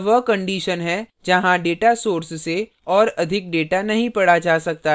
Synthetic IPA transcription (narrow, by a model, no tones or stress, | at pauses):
ʋəkɐ̃ɳɖiːʃənɦɛd͡ʒɐɦãɖeːʈasoːɾsse | ɔːɾɐd̪ʱɪk̚ɖeːʈanɐɦĩpɐɽad͡ʒaːsɐk̚t̪a